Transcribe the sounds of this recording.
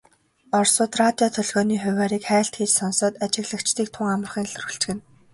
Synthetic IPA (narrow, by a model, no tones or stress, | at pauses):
ɔrsʊːt̪rat̪ʲiɔt̪ʰœɮɣɔːniːχʊwaːɾiːkχæːɬt̪xeːt͡ɕsɔnsɔːt̪at͡ɕɪ̆ɣɮə̆kt͡ɕt̪iːk̚t̪ʰʊŋamə̆rχiːnɮɵ̆rɵ̆ɬt͡ɕ̆ɡɘ̆n